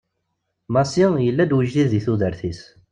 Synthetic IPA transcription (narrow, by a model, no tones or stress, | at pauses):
mɑsijəlːæd̪wəʒliðːiθuðəɾθis